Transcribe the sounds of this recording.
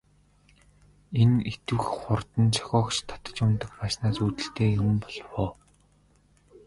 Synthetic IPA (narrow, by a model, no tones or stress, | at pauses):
enet̪ɘ̆xχʊrt̪ə̆nt͡ɕʰḁxʲɔːkʃt̪ʰḁt̪ə̥̆t͡ɕʊnt̪ə̆kpaːʃnaːsuːt̪ɘ̆ɬt̪eːjɵmpɔɮwɔː